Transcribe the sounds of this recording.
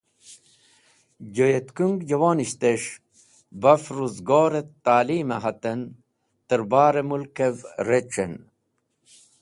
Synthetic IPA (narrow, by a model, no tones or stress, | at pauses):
d͡ʑojet̪kuŋɡd͡ʑɐwaːniɕt̪eʂ | bɐfɾuzɡoːɾet̪aːliːmɐɦɐt̪en | t̪əɾbaːɾemulkevɾet͡ɕḛn